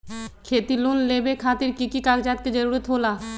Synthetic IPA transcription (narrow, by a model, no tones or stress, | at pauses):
kʰeːt̪ilunleːbekʰaːt̪ɪɾkikikaːɡd͡ʒaːt̪̚ked͡ʒəɾuːɾət̪ɦoːla